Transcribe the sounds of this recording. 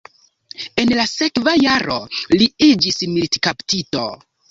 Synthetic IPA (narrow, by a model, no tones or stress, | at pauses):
e̞nlase̞kvajaɾʔo̞̰liid͡ʒismiltkaptito̰